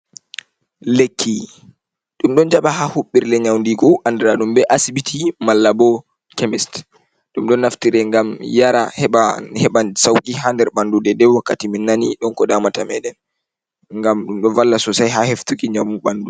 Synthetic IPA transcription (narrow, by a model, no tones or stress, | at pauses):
lekʰːi | ɗumɗɔnd͡ʒaɓahahuɓːiɾlɛɲawndiɡɔʔandɛɾaɗumbɛʔasibitʰimalːabɔ | kemist | ɗumɗɔnːaftiɾɛŋɡamjaɾahɛɓahɛɓasawkʼiɦandɛɾɓandudɛdɛwakːatiminːaniɗɔnkɔdamatamɛɗɛn | ŋɡamɗumɗɔnvalːasɔsajɦaheftukiɲamuɓandu